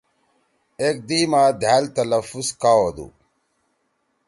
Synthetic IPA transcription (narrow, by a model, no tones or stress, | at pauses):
ek̚d̪iːmaːd̪ʱaːlt̪ɐləfuskaːwod̪ṵ